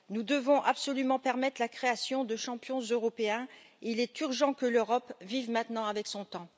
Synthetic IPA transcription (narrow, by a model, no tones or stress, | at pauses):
nud̪əvɔ̃ʔabsɔlymɑ̃pɛʁmɛt̪χlakχeasjɔ̃d̪əʃɑ̃pjɔ̃zøʁɔpeɛ̃ | ilɛt̪yʁʒɑ̃kəløʁɔpvivmɛ̃t̪nɑ̃avɛksɔ̃t̪ɑ̃